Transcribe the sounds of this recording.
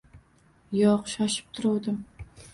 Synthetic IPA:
jɒqʃɒʃɪ̥p̚t̪ʰʊɾud̪ɪm

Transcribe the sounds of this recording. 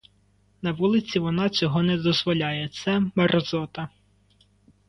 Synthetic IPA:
nɐʋulˠɪt͡sʲiʋɔnɑt͡sʲɔɦɔnɛd̪ɔzʋɔlʲɑjɛt̪sɛmɐɾɔzɔt̪ɐ

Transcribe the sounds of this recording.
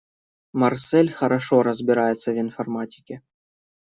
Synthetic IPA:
mɐrsɛlʲχɐɾɐʂoɾɐzbʲɪɾajɪt̪sːɐvʲinfɐrmatʲɪ̥kʲe

